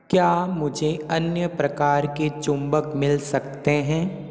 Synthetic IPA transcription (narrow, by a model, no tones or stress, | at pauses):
kjaːmʊd͡ʒʱeɐnjəpɾɐkaːɾket͡ʃʊ̃mbəkmɪlsɐkt̪eɦɛ̃ː